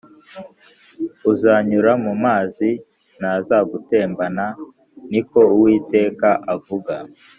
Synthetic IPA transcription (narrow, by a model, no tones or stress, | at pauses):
uzaːɲuɾamumaːzi | nazaɡute̞ːmbana | niko̞uwiːte̞ːkaʔavuɡa